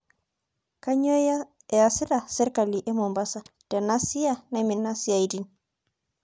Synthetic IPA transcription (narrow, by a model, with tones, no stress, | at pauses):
ka˦ɲo˦ | e˨a˨si˦ɾa˨se˦ɾka˨li˨ʔe˦mo˨mba˦sa˦te˨na˦si˦ja˦na˦mi˨na˦si˦ja˨i˨di˦n